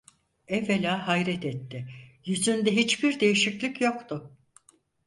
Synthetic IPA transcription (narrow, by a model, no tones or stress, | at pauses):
ɛvelʲaːɦajɾɛt̪ʰɛt̪ʰːɪjyzynd̪ɛɦit͡ʃbiɾd̪e̞jiʃiclʲicjo̞kt̪ʰʊ